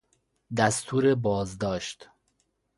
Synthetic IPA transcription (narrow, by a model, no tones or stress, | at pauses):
d̪æst̪ʰuːɾebɒːzd̪ɒːʃt̪